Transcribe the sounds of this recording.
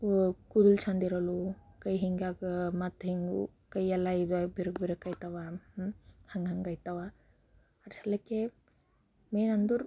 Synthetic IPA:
kud̪ult͡ʃʰand̪iɾɐlukɐjɦiŋɡakmɐt̪ɦiŋɡṵkɐjɛlaibiɾkbiɾkɐjt̪aʋa | hɐŋɡɦɐŋɡɐjt̪aʋa | ɐɾsɐlɐke | meːnɐnd̪uɾ

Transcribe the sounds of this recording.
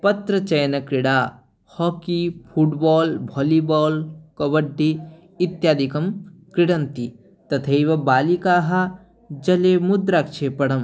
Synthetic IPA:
pɐt̪ɾɐt͡ʃɐjnɐkɾiɽaː | hɔkipʰuʈbɔːlbʱɔlibɔːlkɐbɐɖːiː | t̪jaːd̪ikɐmkɾɪɽɐnt̪i | t̪ɐt̪ʰejʋɐbaːlikaːɦa | d͡ʒɐlemud̪ɾakt͡ʃʰepɐɽɐm

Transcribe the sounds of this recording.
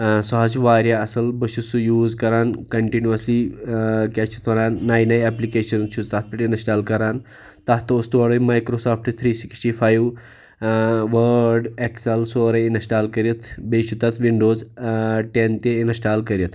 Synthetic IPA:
suɦad͡ʒʋaːɾjaɐsɐlbəʃusujuːzkɐɾaːnkɐɳʈinjuɐslikʲat͡ʃʰut̪ʰɐɾaːnːaːjnajaplikeːʃɐnʃʰut͡st̪at̪̚piʈinɐsʈaːlkɐɾaːn | t̪at̪ːoːst̪uʋaɽəjmajkɾosaːpʰʈt̪ʰɾiːsiksʈifʰaːjʋ | ʋəɾɖeksɐlsoːɾəinsʈaːlkɐɾjɐt̪ʰbeʃut̪at̪ʰʋiɳɖoːzʈent̪einɐsʈaːlkɐɾjət̪

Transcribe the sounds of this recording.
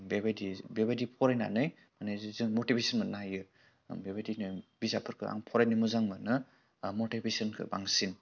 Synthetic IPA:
bebadibebadipʰɔɾajna̰nɯj | manezzɯmotibesɔnmɯtnajɯ | bebadinɯbizapʰɯɾkʰɯa̰ŋpʰɔɾajnɯmuzaŋmanɯ | motibʰesɔnkʰɯ̰baŋsin

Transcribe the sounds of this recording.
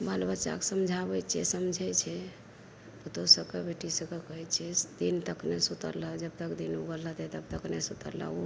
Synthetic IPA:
balbət͡ʃa̰kesəmd͡ʒʱabɛt͡ʃʰɛ̰səmd͡ʒʱɛt͡ʃʰɛ | pət̪osəkebʱeʈisəkəkəɦɛt͡ʃʰɛd̪int̪əknesut̪ə̰ɾləd͡ʒəb̚t̪əkd̪inuɡələt̪ɛt̪əb̚t̪əknesut̪ə̰ɾlə̰u

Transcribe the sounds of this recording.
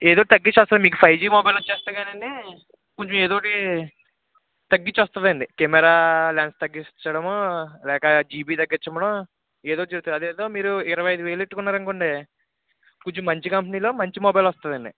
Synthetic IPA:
eːd̪o̞ːʈt̪ɐɡːit͡ʃːʋɐst̪und̪imiːk̬upʰɐjd͡ʒiːmoːbɐjlut͡ʃːeːst̪aːɡaːnɐɳɖi | kuɲt͡ʃumeːd̪oːʈi | t̪ɐɡːit͡ʃːʋɐst̪und̪ɐɳɖikemɛɾaːlaːnst̪ɐɡːit͡ʃːɐɽɐmolɛːkɐd͡ʒiːbiːt̪ɐɡːɐɾt͡ʃːɐmɐɽɐ | eːd̪oːʈid͡ʒɐɾut̪unɐd̪eːd̪o̞ːmiːɾuɪɾɐʋɐjɐjd̪uʋeːliʈːukunːaːɾɐŋkoɳɖe | kuɲt͡ʃumːɐɲt͡ʃikɐmp̬ɐniːlo̞ːmɐɲt͡ʃimoːbɐjlʋɐst̪uɐnd̪ɐɳɖḭ

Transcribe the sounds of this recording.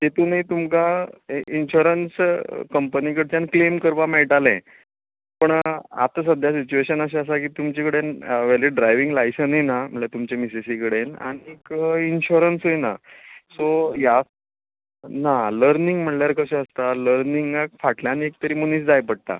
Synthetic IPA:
t̪et̪uːnit̪umkainɕoɾənskəmpənikəɽt͡ɕjanklemkəɾʋameʈalɛ̃ | pəɳa̰t̪as̬əd̪ʱjasit͡ɕueɕənəɕ̬eəsakiːt̪umt͡ɕikəɽenʋɛleɖɾajʋiŋɡlajsəninam̤əɳlet̪umt͡ɕemisesikəɽena̰ɽ̃ikinɕuɾənsɦojna̰soja | naləɾniŋɡm̤əɳljaɾkəɕɛ̃əst̪aləɾniŋɡakfaʈljanek̚t̪əɾiːmuniːt͡sd͡zajpəɽ̚t̪a̰

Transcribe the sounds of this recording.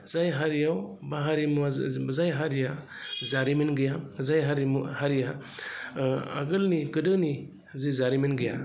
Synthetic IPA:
zajɦaɾijawbaɦaɾimuazajɦaɾija | zaɾiminɡɯjazajɦaɾimuhaɾija | a̰ɡɯlniɡɯdɯni | zizaɾiminɡɯja̰

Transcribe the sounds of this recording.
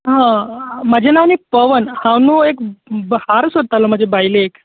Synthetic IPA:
ɦãməd͡ʑʱenaːnipəʋənhãwnũːekbəhaɾsoɽt̪alom̤əd͡ʑebajleek

